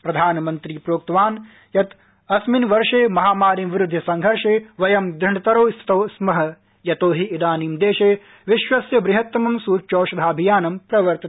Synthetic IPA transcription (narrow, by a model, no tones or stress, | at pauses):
pɾɐd̪ʱaːnɐmɐnt̪ɾiːpɾoːk̚t̪ɐʋaːn | jɐt̪ | ɐsminʋɐɾʂeːmɐɦaːmaːɾimʋɪɾʊd̪ʱːɐsɐŋɡʱɐɾʂeːʋɐjɐmd̪ɾɪɳɐt̪ɐɾoːst̪ɐːsmɐɦɐ̆ | jɐt̪oːɦiːd̪aːnimd̪eːʃeː | ʋɪʃʋɐsjɐbɾɪɦɐt̪ːɐmɐmsuːt͡ʃoːʃɐd̪ʱaːɐbʱijaːnɐmpɾɐʋɐɾt̪ɐt̪